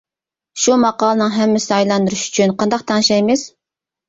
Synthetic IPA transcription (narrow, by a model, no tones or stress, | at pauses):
ʃumɑqɑːlˠənɨŋɦɛmːɪsɪɑjlˠɑnd̪uɾuʃy̥t͡ʃʰynqʰɑnd̪ɑqt̪ʰɑŋʃɑjmɪz̥